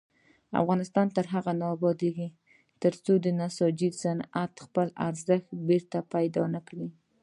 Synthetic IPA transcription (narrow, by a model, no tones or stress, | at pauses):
a̰fɣɑnɪst̪ɑnt̪əɾɦaɣanɑbɑd̪eɡi | t̪əɾt͡sod̪ənasɑd͡ʒisanat̪xpəla̰ɾzəxt̪̚beɾt̪apajd̪ɑnakɽi